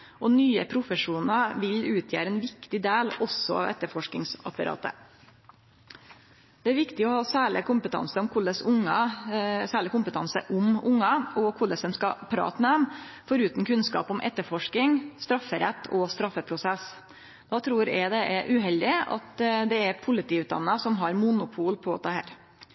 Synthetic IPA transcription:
ʔɔnyːə̰pʰɾʊfəʂuːnəɾʋɪlʉːt̪ʰjḛːɾəɛːnʋɪkt̪ɪd̪eːlɔsːɔ̰ɑ̰ːʋɛ̰t̪ːəfɔʂkɪŋsɑ̰pɑɾɑ̰ːt̪ə̰ | d̪̥ɛæɾʋɪkt̪ɪɔhɑːsæːɭɪkʊmpət̪ʰɑ̰nsəɔmkʰʊlːəsʊŋɑsæːɭɪkʊmpət̪ʰɑnsəʔʊmʊŋɑɔkʰʊlːəsd̪ɛmskɑpʰɾɑ̰ːt̪mɛd̪ɛmfɔɾʉːt̪n̩kʉnskɑ̰ːpɔmʔɛ̰t̪ːəfɔʂkɪŋst̪ɾɑfːəɾɛt̪ːɔst̪ɾɑfːəpʰɾʊsɛs | d̪̥ɑːt̪ʰɾuːɾɛ̰ɪd̪ɛʔɛɾʔʉːɦɛld̪ɪɑ̰t̪d̪ɛæɾpʰʊlɪt̪iːʉːt̪d̪ɑ̰nːɑsɔmɦɑɾmuːnʊpʰuːlpʰɔt̪ɑhæ̰ːɾ

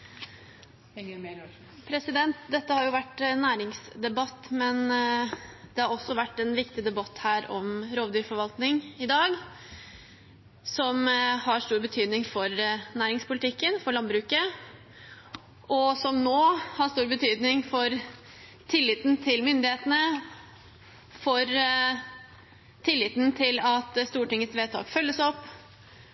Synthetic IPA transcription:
pʰɾɛsɪd̪ɛnt̪d̪ɛt̪ːəhɑɾjʊʋæʈːnːæːɾɪŋsd̪ɛbɑt̪ːmɛn | d̪̥ɛhɑɾɔsːɔʋæʈːɛnʋɪkt̪ɪd̪ɛbɑt̪ːhæːɾɔmɾoːʋd̪yːɾfɔɾʋɑlt̪nɪŋɪd̪ɑːɡ | sɔmhɑʂt̪uːɾbət̪ʰyːd̪nɪŋfɔɾnæːɾɪŋspʊlɪt̪ʰɪkːənfɔɭɑnbɾʉːkə | ʔɔsɔmnoːhɑʂt̪uːɾbət̪ʰyːd̪nɪŋfɔɾ | t̪ʰɪlːɪt̪n̩t̪ʰɪlmʏnd̪ɪheːt̪ənə | fɔɾ | t̪ʰɪlːɪt̪ːnt̪ʰɪlɑt̪st̪uːʈɪŋːəsʋeːt̪ʰɑ̰ːɡfœlːəsɔpː

